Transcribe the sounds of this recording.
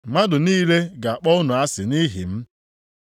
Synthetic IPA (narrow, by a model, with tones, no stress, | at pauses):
ŋ͡ma˦dʊ˨niː˦le˦ɡa˨a˨k͡pɔ˦ʊ˦nʊ˨a˦sɪ˨ni˦ɦḭ˨m̩˦